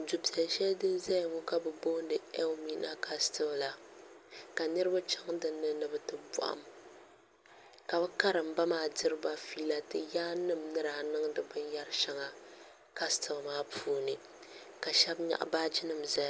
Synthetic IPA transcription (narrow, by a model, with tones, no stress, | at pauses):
du˨pi˨ɛ˨lʃɛ˦ldɨ˦n˦za˦jŋu˦ka˨bɨ˨bo˦n˦dɨ˨ɛ˦wmi˦nʔa̰˦kʰa˦stɨ˦bla˦ | ka˨nɨ˦ɾɨ˦ba˦t͡ʃa˦ŋdɨ˦nːɨ˦nɨ˦bɨ˦tɨ˦bɔ̰˨ʔa̰˨m | ka˨bɛ˦ka˦ɾɨ˨mba˦maː˦dɨ˦ɾɨ˦ba˦fiː˦la˨tɨ˦jaː˦nɨ˦mnɨ˦ɾa˨nɨ˦ŋdɨ˨bɨ˦nja˦ɾʃa˦ŋa˨ | ka˦stʰɨ˨bmaː˦pʰuː˦nɨ˨ | ka˨ʃɛ˦bɲa̰˨ʔbaː˦d͡ʒɪ˦nɨ˦mza˦˨